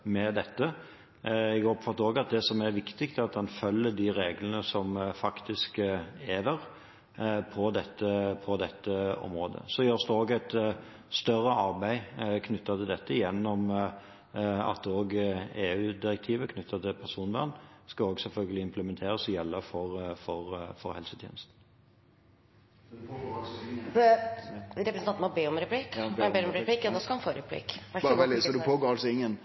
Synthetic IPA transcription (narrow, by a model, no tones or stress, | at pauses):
mɛd̪ɛt̪ːə | ɛɡɔpfɑt̪ːəoːɡɑt̪̚d̪ɛsɔmæɾʋɪkt̪ɪkt̪ɛɑt̪̚d̪ɑnfœlːəd̪iɾeːɡlənəsɔmfɑkt̪ɪskeːʋ̪əɾ | pʰɔd̪ɛt̪ːəpʰɔd̪ɛt̪ːəɔ̰mɾoːd̪ə̰sɔjøːst̪ɛoːɡæɪt̪ | st̪œɾːəʔɑɾbæɪkʰnʉt̪ːɑt̪ʰɪld̪ɛt̪ːəjɛnːɔm | ɑ̰t̪oːɡeːʉːd̪ɪɾɛk̚t̪ʰiːʋəkʰnʉt̪ʰːɑt̪ʰɪlpʰæʁsuːnʋæ̰nːskɑoːɡsɛlfœlɡəlɪɪmpʰləmɛnt̪ʰeːɾəsɔjɛlːəfɔʁfɔʁfɔ̰ɾhɛlsət̪ʰjḛːnəst̪n̩ | ɾɛpɾsnɑnmɔbeːɔmɾɛpʰliːkːbeːɔmɾɛpʰliːkjɑd̪ɛskɑlɑnfoːɾɛpʰlḭːkʋæɛlsɔd̪ʉpʰoːɡɔɑlsɔɪŋːən